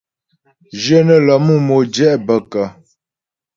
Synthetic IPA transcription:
d͡ʒə˦nə˦˨lə˨mu˦˨mo˨d͡ʒɛ˦ʔbə˨kə˨

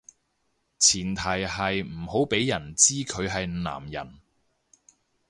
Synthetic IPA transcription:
t͡sʰiː˨˩nt̪ʰɐ˨˩jɦɐ˨jm̩˨˩ho˨˥wpe˨˥jːɐ˨˩nt͡siː˥kʰɵ˨˧ɥɦɐ˨jna̰ː˨˩mjɐ̰˨˩n

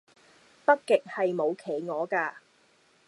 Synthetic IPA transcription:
pɐ˥t̚kːɪ˨k̚hɐ˨jmo˨˧wkʰe˨˩jŋɔː˨˧kaː˧

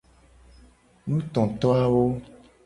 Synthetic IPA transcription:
nũ˦t̪ɔ̃˨t̪ɔ˦a˦wo˦

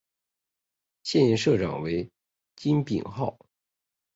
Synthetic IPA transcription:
ɕjɛ˥˧ni˥˧nʂɤ˥˩ʈ͡ʂɑ̰˨˩ŋwe˧˥ɪ | t͡ɕi˥npḭ˨˩ŋxɑ˥˩ʊ

